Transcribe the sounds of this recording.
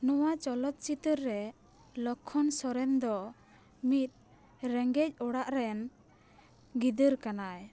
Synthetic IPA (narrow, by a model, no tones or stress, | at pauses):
nɔwat͡ʃɔlɔt̪̚t͡ʃit̪əɾːɛ | lɔkʰːɔnsɔɾɛnd̪ɔ | mit̪̚ | ɾɛŋɡɛc̚ˀɔɽaʔɾɛn | ɡid̪əɾkanaj